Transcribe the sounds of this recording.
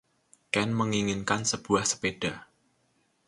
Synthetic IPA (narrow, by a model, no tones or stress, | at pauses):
kɛnməŋiŋɪnkansəb̥uahsə̥ped̥a̤